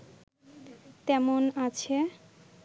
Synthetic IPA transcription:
t̪ɛmonat͡ɕʰe

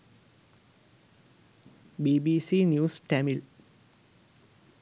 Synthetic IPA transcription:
biːbiːsinjuːsʈæmil

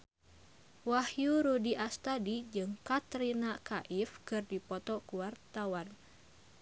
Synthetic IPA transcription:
wahjuɾudiʔast̪adid͡ʒɨŋkat̪ɾinakaʔifkɨrdipɔt̪ɔkuwart̪awan

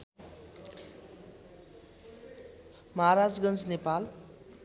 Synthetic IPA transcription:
mʌɦaɾad͡zɡʌnt͡snepal

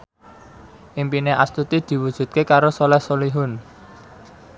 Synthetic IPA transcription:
ʔimpineʔast̪ut̪id̪̥i̤wud̥ʒ̥ṳt̪̚kekaɾosolɛhsoliɦʊn

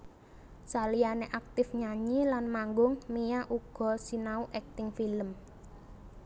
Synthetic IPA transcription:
salijaneʔak̚t̪ɪfɲaɲilanmaŋɡʊŋmijaʔuɡ̥ɔ̤sinauʔɛk̚t̪ɪŋfiləm

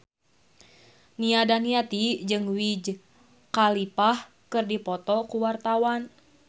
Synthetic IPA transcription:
niadaniat̪id͡ʒɨŋwid͡ʒ | kalipah | kɨrdipɔt̪ɔkuwart̪awan

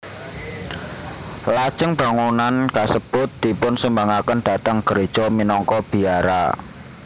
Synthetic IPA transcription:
lḁʒ̥əŋb̥a̤ŋunankasəb̥ʊt̪̚d̪̥i̤pʊnsəmbaŋakənɖ̥a̤t̪əŋɡ̥əɾed̥ʒ̥ɔminɔŋkɔb̥i̤aɾa̰

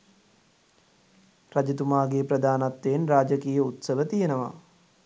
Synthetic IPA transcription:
rad͡ʒit̪umaːɡepɾəd̪aːnat̪ːeːnraːd͡ʒəkiːjəut̪səʋət̪ijenəʋa̰

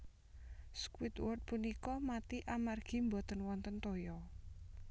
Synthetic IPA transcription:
skwɪt̪wɔrt̪̚punikɔmat̪iʔamarɡ̥i̤mbɔt̪ənwɔnt̪ənt̪ojɔ

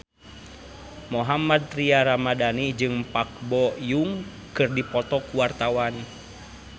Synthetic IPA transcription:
mɔɦamad̪̚t̪ɾiaɾamadanid͡ʒɨŋpak̚bɔjuŋ | kɨrdipɔt̪ɔkuwart̪awan

